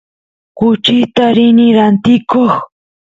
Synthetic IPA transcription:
kʊt͡ʃɪt̪aɾɪnɪɾant̪ɪkoχ

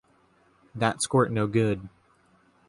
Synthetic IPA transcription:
ðətskɔɹʔnoʊɡʊd̥̚

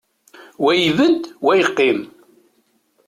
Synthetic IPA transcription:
wæjvənt̪wæjəqːim

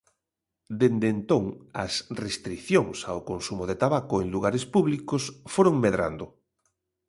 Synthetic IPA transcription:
d̪end̪ent̪oŋɐ̰srest̪ɾiθjoŋsaokonsumoð̞et̪aβakoeŋluɣ̞aɾespuβlikosfoɾoŋmeðɾa̰nd̪ʊ

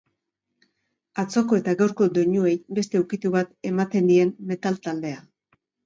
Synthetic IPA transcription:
at͡so̞ko̞e̞t̪aɣawɾko̞d̪o̞ɲue̞jbe̞st̪e̞uwkit̪uβat̪e̞mat̪e̞nd̪ie̞mːe̞t̪alt̪ald̪e̞a

